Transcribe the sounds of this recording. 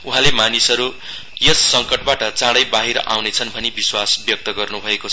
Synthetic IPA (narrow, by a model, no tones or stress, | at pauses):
uɦãlemanisʌɾu | jʌsːʌŋkʌʈ̚baʈʌt͡sãɽʌjbaɦiɾʔa̰wnet͡sʰʌnbʱʌnebiswasbjʌk̚t̪ʌɡʌrnubʱʌekot͡sʰʌ